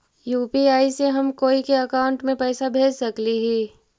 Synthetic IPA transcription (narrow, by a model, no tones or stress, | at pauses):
juːpiaːiseɦɐmkoːikeɐkaːʊ̃ɳʈmẽpɛːsabʱeːlsɐkliɦɛː